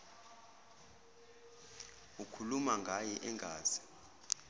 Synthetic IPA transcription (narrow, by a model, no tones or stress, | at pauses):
ukʰulumaŋɡʱajɛʔɛŋɡʱaːz̥i̥